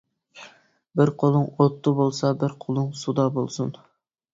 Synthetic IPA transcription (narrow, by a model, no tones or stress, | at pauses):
bɪɾqʰolˠɨŋot̪ʰːɨbolˠsɑbɪɾqʰolˠɨŋsud̪ɑbolˠsun